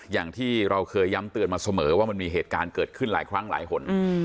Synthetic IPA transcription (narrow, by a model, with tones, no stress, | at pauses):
jaː˨˩ŋt̪ʰiː˥˩ɾa˧wkʰɤː˧jːa˦˥mt̪ɯ˨˩ənmaː˧sa˧mɤː˩˦waː˥˩ma˧nmiː˧ɦeː˨˩t̪̚kaː˧nkɤː˨˩t̪̚kʰɯ˥˩nlaː˩˦jkʰɾa˦˥ŋla̰ː˩˦jhʰo˨˦n